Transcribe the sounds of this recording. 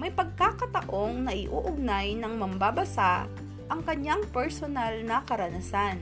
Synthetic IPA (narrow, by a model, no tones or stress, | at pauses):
mɐjpɐɡ̚kaːkɐt̪ɐʔo̞ŋnɐʔɪʔuːʔʊɡ̚najnɐŋmɐmbabɐsa | ʔɐŋkɐɲːaŋpɛɹsonɐlnɐkɐɾɐnɐsan